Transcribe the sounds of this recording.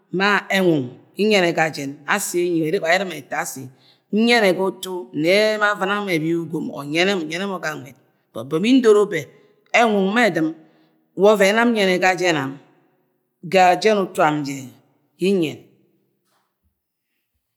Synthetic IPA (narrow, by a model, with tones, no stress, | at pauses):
ma˦e˦ŋʷu˨ŋ | i˦ɲe˦ne˨ɡa˨d͡ʒɛ˨na̰˦si˨˦e˦ɲi˨e˨ɾe˦ka˨ji˦ɾɨ˦me˨ta˨˦sḭ˨˦ | ɲe˦ne˨ɡo˦tu˦˨ne˨˦ma˦va˦na˦me˨bi˦u˦ɡo˨mɔ̰˨ɲe˦ne˦mo˨ɲe˦nɛ˦mo˨ɡa˨ŋʷe˨t̚ | b̥ɔ̰˨bo˨mi˦n̩˦do˦ɾo˦be˨ | e˦ŋu˨ŋ˦me˦˨dɨ˨m | wɔ˦ve˨˦na˦m̩˦ɲe˨ne˨ɡa˦d͡ʒe˦na˨m | ɡa˨d͡ʒe˦nu˨tu˦a˨m̩˨d͡ʒe˨ | ji˦ɲɛ˨n